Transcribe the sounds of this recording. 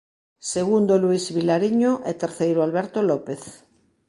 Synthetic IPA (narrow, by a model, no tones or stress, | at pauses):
seɣund̪oluisβilaɾiɲoʔɛt̪eɾθejɾʊalβɛɾt̪olɔpeθ